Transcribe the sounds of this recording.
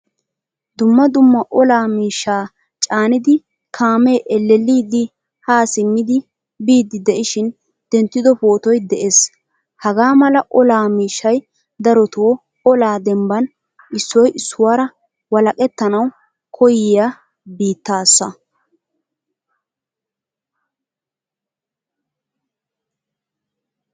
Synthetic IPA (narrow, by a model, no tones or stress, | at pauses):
d̪ʊmːɐd̪ʊmːɐʔɔlaːmiːʃːaː | t͡ʃʼaːnɪd̪ɪ | kʰaːmeʔɛlːɛlːiːd̪ɪ | haːsɪmːɪd̪ɪ | biːd̪ɪd̪ɛʔɪʃɪn | d̪̥ɛnt̪ːɪd̪ɔpoːt̪ɔjd̪ɛʔeːs | hɐɡaːmɐlɐʔɔlaːmiːʃːɐj | d̪ɐɾɔt̪ʰoː | ɔlaːd̪ɛmbɐn | ɪsːɔjʔɪsːʊwaːɾɐ | wɐlɐkʼɛt̪ːɐnɐw | kʰɔjɪjaː | biːt̪ːaːsːɐ